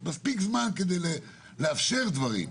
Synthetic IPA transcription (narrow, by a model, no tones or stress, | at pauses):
maspikzmanked̪ejle | leafʃe̞ʁd̪vaʁḭm